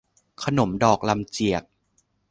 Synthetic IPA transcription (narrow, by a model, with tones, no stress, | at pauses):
kʰa˧no˩˦mdɔː˨˩k̚la˧mt͡ɕi˨˩ək̚